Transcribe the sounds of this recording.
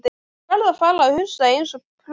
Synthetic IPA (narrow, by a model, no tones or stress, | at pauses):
t̪ | ɛɾðafaːlaːhʏnsaejnsɔpʰl